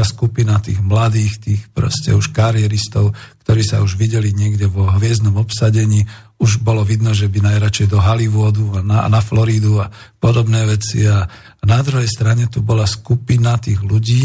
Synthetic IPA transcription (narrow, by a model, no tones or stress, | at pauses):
askupinat̪iːɣmlad̪iːxt̪iːxpɾɔ̰scɛ̰uʃkaɾjɛɾist̪ɔʊkt̪ɔɾiːsa̰uʒʋiɟɛliɲɪɛɡɟɛʋɔɦʋɪɛznɔmɔpsaɟɛɲiːuʒbɔlɔʋid̪nɔʒɛbinajɾat͡ʃɛjd̪ɔɦaliʋʊɔd̪uananaflɔɾid̪uapɔd̪ɔbnɛːʋɛt͡sḭa | nad̪ɾuɦɛjst̪ɾaɲɛt̪ubɔlaskupinat̪iːɣluɟiː